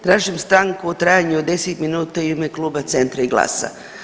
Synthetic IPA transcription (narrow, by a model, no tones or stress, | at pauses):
t̪ɾaːʒimst̪ɾaŋkuot̪ɾajaɲuod̪e̞set̪minuːt̪aiumeklˠuːbat̪se̞nt̪ɾaiɡlˠa̰ːsa̰